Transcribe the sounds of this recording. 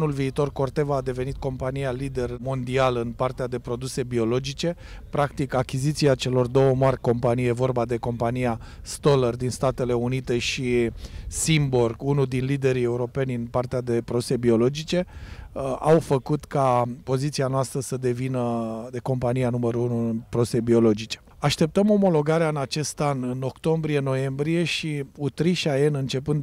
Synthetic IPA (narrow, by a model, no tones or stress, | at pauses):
nulviːt̪o̞rko̞rt̪e̞vaːd̪e̞ve̞nit̪̚ko̞mpanijalid̪e̞rmo̞nd̪ialɨnpart̪ead̪e̞pɾo̞d̪use̞bio̞lo̞d͡ʒit͡ʃe̞ | pɾakt̪ikakʲizit̪siat͡ʃe̞lo̞rd̪o̞wəmarʲko̞mpanijjevo̞rbad̪e̞ko̞mpanija | st̪o̞lərd̪inst̪at̪e̞le̞unit̪e̞ʃisimborɡunud̪inlid̪e̞ɾie̞uɾo̞pe̞nʲɨnpart̪ead̪e̞pɾo̞d̪use̞bio̞lo̞d͡ʒit͡ʃe̞ | awfəkut̪kapo̞zit̪sianoast̪ɾəsəd̪e̞vinəd̪e̞ko̞mpanijanuməɾuunuɨnpɾose̞bio̞lo̞d͡ʒit͡ʃe̥ | aʃt̪e̞p̚t̪əmo̞mo̞lo̞ɡaɾeaɨnat͡ʃe̞st̪anɨno̞kt̪o̞mbɾije̞no̞je̞mbɾije̞ʃiut̪ɾiʃajenɨnt͡ʃe̞pɨnd̪